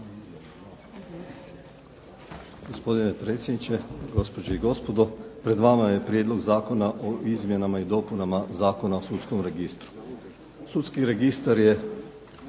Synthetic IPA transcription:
ɡ̥ospo̞d̪inepɾe̞t̪sʲjed̪nit͡ʃe̞ɡo̞spod͡ʒeiɡo̞spo̞d̪o̞pɾe̞d̪ʋamaje̞pɾjed̪lˠo̞ɡzaːko̞naʔoʔizmje̞namaid̪o̞punamazaːkonaosut̪sko̞mɾe̞ɡist̪ɾu̥ | sut̪skiɾe̞ɡist̪aɾje̞

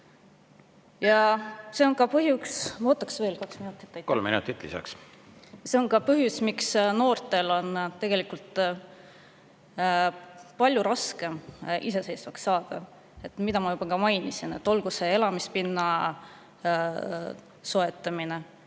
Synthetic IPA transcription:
jɑse̞o̞nkɑpɤɦjuksmot̪ːˑɑ̥ksve̞ːlkɑksminut̪ːˑi̥t̪ːkolmḭnṵt̪ːˑit̪ːlḭsɑ̰ks | seo̞nkɑpɤɦjusmiksno̞ːrt̪ːˑe̞lo̞nt̪e̞ɡ̥e̞likult̪ | pɑlʲjuɾɑske̞mise̞se̞jsvɑksːɑːd̪̥ɑ | e̞t̪mid̪̥ɑmɑjub̥ɑkɑmɑjnisine̞̰t̪ːˑo̞lɡ̥use̞e̞lɑmispinːɑ | so̞e̞t̪ːˑɑmine̞

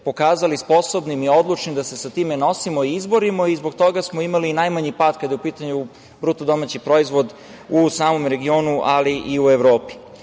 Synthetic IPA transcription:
po̞kaːzalispo̞so̞bnimio̞d̪lˠut͡ʃnid̪ase̞sat̪iːmeno̞simoiizbo̞ɾimoizbo̞ɡt̪o̞ɡasmoimalinajmaɲipaːd̪kad̪jeupiːt̪aɲu | bɾuːt̪od̪o̞mat͡ɕipɾo̞izʋo̞d̪ | usaːmo̞mɾe̞ɡio̞ːnuʔaliʔiueʋɾo̞ːpi̥

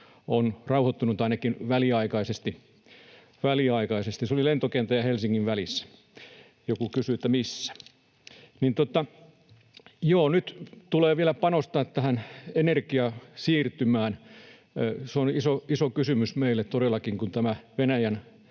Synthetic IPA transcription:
onrɑuhot̪ːunut̪ɑinɑkinʋæliɑikɑisest̪i | ʋæliɑikɑisest̪isolilent̪okent̪æjɑhelsiŋːiʋʋælisːæ̥ | jokukysyet̪ːæmisːæ̥ | nint̪ot̪ɑ | joːnyt̪t̪uleːʋielæpɑnost̪ɑːt̪t̪æhænenerkiɑsiːrt̪ymæːn | seonisoisokysymysmeilːˑet̪t̪odelːˑɑkiŋkunt̪æmæʋenæjæn

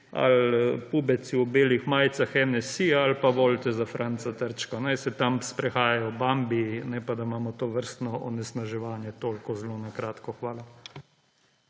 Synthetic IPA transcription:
a̰lpubɛsiɔbeːlixmaːjt̪saxɛnɛsialpaʋolt̪ɛzafɾʔant̪sat̪əɾt͡ʃkɔnajsɛt̪amspɾɛxaːjajɔbambinɛpad̪amaːmɔt̪oːʋəɾst̪nɔɔ̰nɛsnaʒɛʋaːnjɛt̪oːlkɔzlonakɾaːt̪kɔxʋaːla

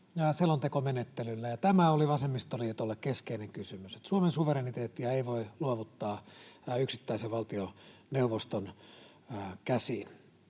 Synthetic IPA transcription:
jɑselont̪ekomenet̪ːelylːæjɑt̪æmæoliʋɑsemːist̪oliet̪olːekkeskeineŋkysymyse̥t̪suomensuʋeɾenit̪eːt̪ːiɑeiʋoiluoʋut̪ːɑːyksit̪ːæiseʋʋɑlt̪ioneuʋost̪onː | kæsin

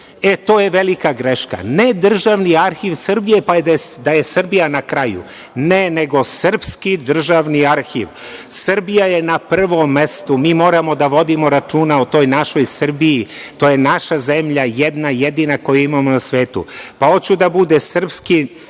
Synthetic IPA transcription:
et̪o̞ːje̞ʋelikaɡɾeʃka̰ned̪r̩ʒaʋniaɾxiʋsr̩bijepad̪d̪aje̞srbijanakɾajṵnene̞ɡo̞srpskid̪r̩ʒaʋniaɾxḭʋ | srbijaje̞napr̩ʋo̞mːest̪umiːmo̞ːɾamo̞d̪aʋo̞d̪imo̞ɾat͡ʃuːnaot̪o̞ːjnaʃo̞jsr̩bijit̪oːjenaʃazemʎajed̪najed̪inako̞juimamonasʋe̞ːt̪ṵpao̞t͡ɕud̪abud̪esr̩pski

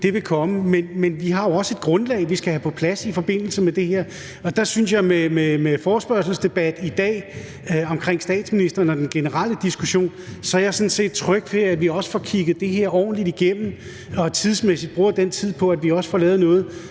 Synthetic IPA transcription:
d̥e̝ʋe̝kʰɒ̽məmenmenʋiɦɑ̈joɒ̽səe̝d̥̚ɡ̥ʁɔ̽nlɛ̰ɪʋisɡ̥æhæpʰɒ̽pʰlæsifɒ̽b̥e̝n̰l̩səmed̥e̝heɐ̰ | ɒ̽d̥ɑ̈synsjɑ̈ɪmememefɒːsb̥ɶɐ̰s̬l̩sd̥e̝b̥æd̥id̥ɛ̰ː | ɒ̽mkʰʁeŋ̰sd̥ɛ̰ːd̥sminisd̥ɐːnɒd̥enɡ̥e̝nəʁɑl̰əd̥isɡ̥uɕo̝̰ːnsɒ̽æjasɒ̽n̩se̝̰ːd̥̚t͡sʰʁœɡ̥ʋeæd̥ʋiɒ̽sə̥fɒ̽kʰiɡ̥ð̩ˠd̥e̝ɦe̝ɐ̰ɒ̰ːn̩lid̥iɡ̥em̰m̩ | ɒ̽t͡sʰiðˠsmesid̥̚b̥ʁuːɐ̰d̥en̰t͡sʰið̞̰ˠpʰɒ̽æ̥ʋiɒ̽sə̥fɒlɛːʊð̩ˠnɔ̽ːð̞̩ˠ

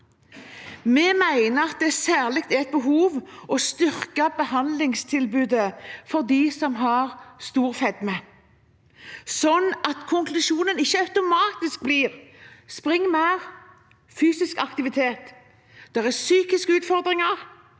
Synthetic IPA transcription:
mɛmæɪnəɑt̪̚d̪ɛæsæːʁlɪk̚t̪ɛɛt̪̚bəɦuːʋɔst̪ʏʁkɑbəhɑnd̪lɪŋst̪ʰɪlbʉːd̪əfɔʁd̪isɔmɦɑʁst̪uːʁfɛd̪mə | sɔnːʔɑt̪kʰʊŋklʉʃuːnənɪçːəɑʉt̪ʊmɑːt̪ɪsk̚bliːʁspʁɪŋːmæːʁ | fyːsɪskɑkt̪ɪʋɪt̪ʰeːt̪ | d̪̥ɛʁæsyːkɪskəʉːt̪fɔʁd̪ʁɪŋɑʁ

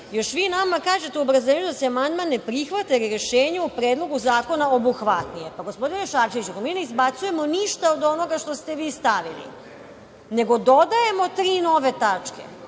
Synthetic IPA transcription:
jo̞ʃʋiːnamakaːʒe̞t̪euobɾazeɲud̪aseamand̪manːepɾixʋat̪eɾiɾeʃeːɲeupɾeːd̪lˠo̞ɡuzaːko̞naobuxʋat̪nijepaɡo̞spo̞d̪ineʃaɾʃeʋit͡ɕukomiːne̞izbat̪suje̞mo̞niʃt̪aod̪o̞no̞ɡaʃt̪o̞st̪e̞ʋiːst̪aʋḭlḭ | ne̞ɡo̞d̪o̞d̪aje̞mo̞t̪ɾiːno̞ʋe̞t̪at͡ʃke̞̰

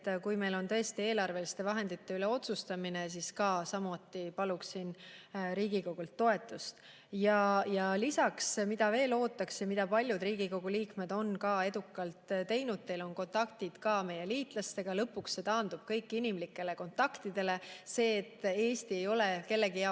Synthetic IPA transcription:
t̪ːkujme̞jlo̞nt̪ɤ̞est̪ie̞ːlɑrve̞list̪e̞vɑɦe̞nd̪it̪ːe̞yle̞o̞t̪sust̪ɑmine̞s̬iːskɑːsɑmut̪ːˑipɑluksinɾiːɡ̥iko̞ɡ̥ult̪ːo̞e̞t̪ːˑust̪ | jɑjɑlisɑksmid̪̥ɑve̞ːlo̞ːt̪ːˑɑksjɑmid̪ɑpɑlʲjud̪riːɡiko̞ɡ̥uliːkmed̪̥o̞nkɑːe̞d̪ukːˑɑlt̪t̪e̞jnud̪̥̚t̪e̞lo̞nko̞nt̪ɑkt̪id̪̥kɑːme̞je̞liːt̪ˑlɑst̪e̞ɡ̥ɑlɤpːˑuksːe̞t̪ɑːnd̪ub̥kɤjkːinimlikːˑe̞le̞ko̞nt̪ːˑɑkt̪id̪e̞le̞se̞ːt̪ːˑe̞ːst̪ie̞jo̞le̞ke̞lːe̞ɡiɑ

